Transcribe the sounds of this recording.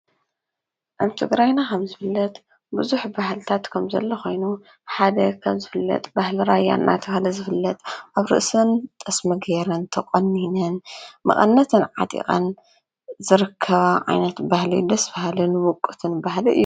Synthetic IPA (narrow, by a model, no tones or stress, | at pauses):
ʔaβt̪ʰɨɡɾajnakʰɐmzɨfɨlːɐt̪ | buzuħbahlt̪ʰat̪kʰɐmzɐ̰lːɐxo̞jnu | ħad̪ɐkʰɐmzɨfɨlːɐ̰t̪ʼbahlɨɾaja̰nːʔa̰t̪ʰɐβahlɐzɨfɨlːɐt̪ʼʔaβɾɨ̰ʔsɨnt̪ʼɐsmɨɡeɾɐnt̪ʰɐqʼɐnːinɐnmɐ̰χʼɐ̰nːɐt̪ʰɨnʕa̰t̪ʼḭχʼɐ̰n | zɨɾɨkʰːɐβaʕa̰jnɐt̪bahlḭd̪ɐsbahlɨnwʊkʼːɨt̪ʰɨnbahliɨ̰jːu